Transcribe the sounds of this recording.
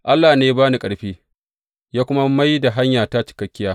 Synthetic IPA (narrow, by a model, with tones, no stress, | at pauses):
ʔa˦lːaː˨neː˦baː˦ni˨kʼɐ˨ɽɸiː˦ | jaː˦kʷʊ˦ma˦ma˦jda˨ɦa˦ɲjaː˨ta˦t͡ʃɪ̥˨kɐ˦kʲːɪ˦jaː˦